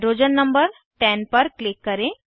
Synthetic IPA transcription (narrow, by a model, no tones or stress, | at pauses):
ɾoːd͡ʒənːəmbəɾ | ʈɛ̃ːnpɐɾklɪkːɐɾẽ